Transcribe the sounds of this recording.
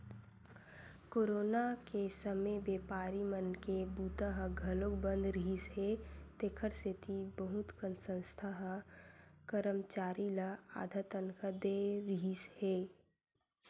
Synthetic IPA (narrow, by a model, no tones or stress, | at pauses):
koːɾoːnakesəmebeːpaːɾimənkebuːt̪aɦɡʱɐlokbə̃nd̪ɾiɦisɦeːt̪ekʰəɾsɪt̪ʰibəɦʊt̪kənsə̃nst̪ʰaɦ | kəɾəmt͡ʃaːɾilaa̰ːd̪ʱat̪ənkəd̪eɾiɦisheː